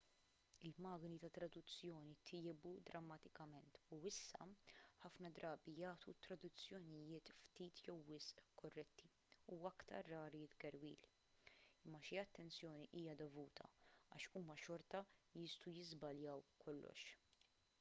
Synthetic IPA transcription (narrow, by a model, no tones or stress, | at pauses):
ɪlmɐːɡnit̪ɐt̪ɾɐd̪ʊt͡sːjɔːnit̪ʰɪːbud̪ɾɐmːɐt̪ɪkɐmɛnt̪uɪsːɐ̰ħɐfnɐd̪ɾɐːbijɐːt̪ut̪ːɾɐd̪ʊt͡sːjɔnɪjɪːt̪ft̪iːt̪ʰjɛwːɪsʔkɔrːɛt̪ʰːi | uːɐkt̪ɐ̰ɾːɐːɾit̪ɡɛɾwḭːl | ɪmːɐʃiɐt̪ːɛnt͡sjɔːniʔiːjɐd̪ɔvuːt̪ʰɐ̰ɐːʃuːmɐʃɔɾt̪ɐjɪst̪ujɪzbɐljɐwkʰɔlːɔ̰ʃ